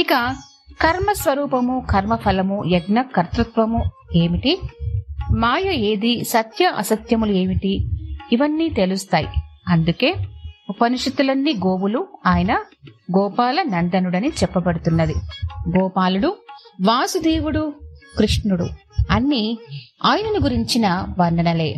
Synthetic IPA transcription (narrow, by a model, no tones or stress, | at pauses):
ikɐ | kʰɐɾmɐsʋɐɾuːpɐmukʰɐɾmɐpʰɐlɐmuɛɡnɐkɐɾt̪ɾut̪ʋɐmu | e̞ːmiʈi | maːjɐe̞ːd̪isɐt̪jɐʔɐ̰sɐt̪jɐmulue̞ːmiʈiːʋɐnːiːt̪elust̪aːjḭɐnd̪uke̞ːupɐniʂɐt̪ːulɐnːiɡoːwuluaːjɐnɐɡɔːpaːlɐnɐnd̪ɐnuɽɐnit͡ʃɛpːɐbɐɽut̪unːɐd̪iɡɔːpaːluɽuʋaːsud̪eːwuɽukɾiʂnuɽuɐnːiaːjɐnɐnuɡuɾiɲt͡ʃinɐʋɐnɖ̪ɐnɐle̞̰ː